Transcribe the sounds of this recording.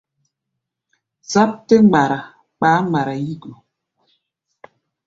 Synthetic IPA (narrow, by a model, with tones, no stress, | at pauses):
za˦p̚te˦ŋ͡ma˨ɾa˨ | k͡paː˨˦ŋ͡mɡ͡ba˨ɾa˨ji˦ɡu˨